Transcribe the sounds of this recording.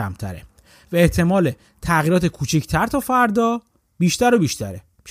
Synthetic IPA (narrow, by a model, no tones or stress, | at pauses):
æ̰mt̪ʰæ̰ɾḛ | væeht̪ʰe̞mɒːle | t̪ʰæɣiːɾɒːt̪ʰe̞kʰuːt͡ʃʰicʰt̪ʰæɾt̪ʰɒːfæɾd̪ɒː | b̥iːʃt̪æɾobiːʃt̪ʰæɾe